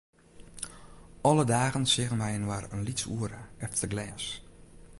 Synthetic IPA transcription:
ɔlədaːɣənsɪɣənʋɛjənwarənlisuəɾəɛtəɡlɛːs

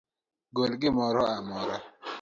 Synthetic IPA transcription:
ɡolɡɪmɔɾɔamɔɾa

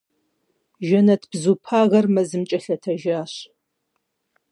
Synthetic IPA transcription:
ʒɐnɐtʰb̥zupʰaːʁɐrmɐzɨmt͡ʃʼɐɬɐtʰɐʒaːɕ

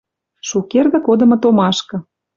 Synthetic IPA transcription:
ʃukerɣɤ̆kod̪ɤ̆mɤ̆t̪omɑʃkɤ̆

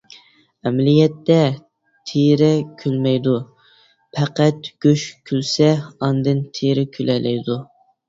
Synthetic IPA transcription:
ɛmlijɛt̪ːɛ | t̪ʰeɾɪkʲʰylmɛjd̪u | pʰæqæt̪ɡ̥ʲøʃkʲʰylsɛɑnd̪ɨnt̪ʰeɾɪkʲʰylɛlɛjd̪u

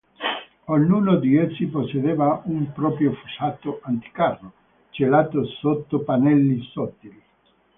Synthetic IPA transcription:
oɲːunod̪iesːiposːed̪evaumpɾɔpɾjofusat̪oʔant̪i̥karːo | t͡ʃelaːt̪osot̪ːopanɛlːisɔt̪ːil

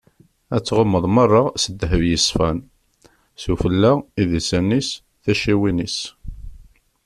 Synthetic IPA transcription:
æt͡sːʁəmːəðˤmɑrˤːɑsəd̪ːɦəvjəsfæn | sufəlːaiðisænis | θæʃiwinis

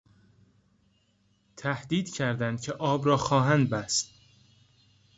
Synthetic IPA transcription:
t̪ʰæhd̪iːd̪cʰæɾd̪ænd̪̥cʰeʔɒːbɾɒːxɒːɦænd̪̚bæst̪̚

